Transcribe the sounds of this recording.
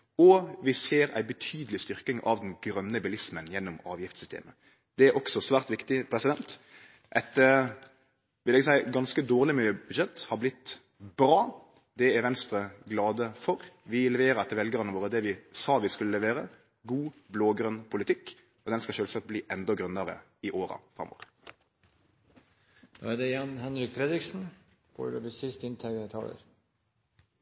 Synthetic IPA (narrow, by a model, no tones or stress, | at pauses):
ɔʋɪseːɾæ̰ɪbət̪ʰyːd̪əlɪst̪ʏʁkɪŋɑ̰ʋd̪ɛnɡɾœnːəbɪlɪsmənjɛnːʊmɑːʋjɪft̪sʏst̪ḛːmə | d̪̥ɛæɾʔɔksɔsʋæːʁt̪ʋɪkt̪ɪpʰɾɛsɪd̪ɛnt̪ | ʔɛt̪ə | ʋɪlɛɡsæɪɡɑnskəd̪oːʁlɪmyːəb̥ʉd̪ʃɛt̪ːhɑɾblɪt̪ː | bɾɑː | d̪ɛæʋɛnst̪ɾəɡlɑːd̪əfɔɾʋɪlɛʋeːɾəɛt̪ːəɾʋɛlɡəɾənəʋoːɾəd̪ɛʋɪsɑːʋɪskʉlːəʋæːɾə | ɡuːbloːɡɾœnpʰʊlɪt̪ʰɪkː | ɔd̪ɛnskɑʃøːlsɑt̪̚bliːʔɛnd̪ɔɡɾʉnːɑɾə̰ | ɪʔoːɾɑ̰fɾɑ̰mo̰ːɾə | d̪̥ɑ̰ːɛd̪ɛjɑnɦɛnɾɪkfɾɛd̪ɾɪksn̩ | fo̰dɛbɪsɪst̪ɪnt̪ʰɛɡəɛt̪ʰɑ̰ːlə̰ɾ